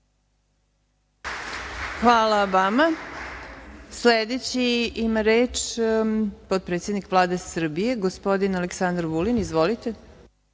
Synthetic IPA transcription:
xʋaːlabama | sled̪et͡ɕiimaɾeːt͡ʃ | pot̪̚pɾet̪sjed̪nikʋlˠaːd̪e̞sr̩bije̞ɡospo̞d̪inaleksand̪ɾʋulinizʋolit̪e

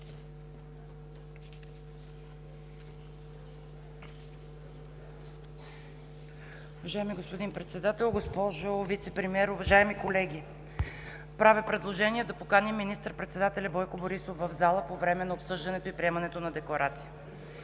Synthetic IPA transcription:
ʊvɐʒaɛmiɡospod̪inpɾɛt̪sɛd̪at̪ɛlˠɡospɔʒovit̪sɛpɾɛmiɛɾʊvɐʒaɛmikolɛɡʲi | pɾavɛpɾɛd̪lˠoʒɛniɛd̪ɐpokanimːinist̪əɾpɾɛt̪sɛd̪at̪ɛlʲɐbɔjkoboɾisofːɐvzalˠəpovɾɛmɛnɐopsɤʒd̪ɐnɛt̪oipɾiɛmɐnɛt̪onɐd̪ɛklˠɐɾat̪sijə

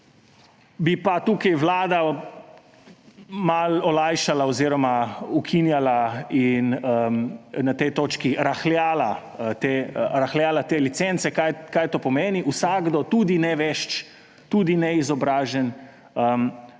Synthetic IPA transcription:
bipat̪ukajwlaːd̪a | malɔlajʃalaɔziɾɔmaukʰinjalainəmnat̪ɛjt̪oːt͡ʃkiɾaxljaːla | t̪eɾaxlʲjaːlat̪eːlit̪sent̪sɛkajkajt̪oːpɔmeːniʔusaɡd̪ɔt̪ud̪inɛʋɛʃt͡ʃ | t̪ud̪inɛizɔbɾaːʒɛn | əm

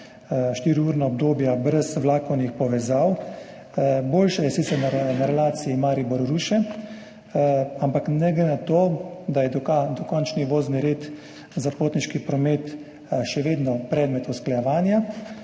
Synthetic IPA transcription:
ʃt̪iːɾiuːɾnaɔb̚d̪oːbjabɾɛsʋlaːkɔwnixpɔʋɛzaw | boːlʃɛjɛsit̪sɛɾnnaɾɛlaːt̪siimaːɾibɔɾɾuʃɛ | ampaknɛɡlɛnat̪oːd̪ajɛd̪ɔd̪ɔkɔnt͡ʃniʋoːzniɾeːt̪ | zapoːt̪niʃkipɾɔmet̪ | ʃɛʋeːd̪nɔpɾɛːd̪mɛt̪usklajɛʋaːnja

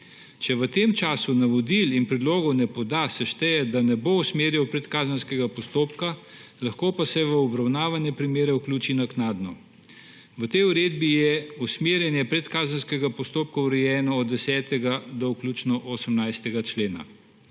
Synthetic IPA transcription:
t͡ʃɛʋət̪emt͡ʃaːsunaʋɔd̪ilinpɾɛd̪loːɡɔwnɛpɔd̪asɛʃt̪ɛjɛd̪anɛbousmeːɾjɛwpɾɛt̪kaːzənskɛɡapɔst̪oːpka | laxkoːpasɛʋəɔbɾawnaːʋanjɛpɾimeːɾɛwklʲuːt͡ʃinaknaːd̪nɔ | ʋət̪ɛjuɾeːd̪bijɛusmeːɾjɛnjɛpɾɛt̪kaːzənskɛɡapɔst̪oːp̚kɔwɾɛjɛːnɔːd̪d̪ːɛsɛːt̪ɛɡad̪ɔwklʲuːt͡ʃnɔʔosəmnajst̪ɛɡat͡ʃleːna̰

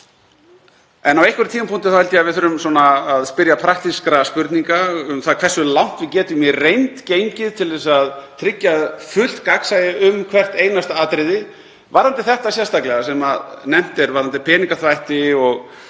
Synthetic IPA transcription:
ɛnːawejhkvɛɾʏt̪ʰiːmapunt̪ɪθawhɛlt̪javɪðθœɾʏmsɔːnaːðspɪɾjapʰɾak̚t̪iskɾaspʏɾt̪niŋkaʏmθaðkʰvɛrsʏlawn̥t̪vɪcɛːt̪ʏmjɛrejnt̪cejɲcɪðt̪ʰɪlðɛsaðt̪ʰɾɪcːaðfʏl̥t̪kaksajɪʔʏmkʰvɛr̥t̪eːjnast̪aaːt̪ɾɪðɪ | vaɾant̪ɪθɛht̪asjɛ̥st̪aklɛɣasɛmaðnɛm̥t̪ɛɾvaɾant̪ɪpʰɛːniŋkaθvajht̪ɪɔɣ

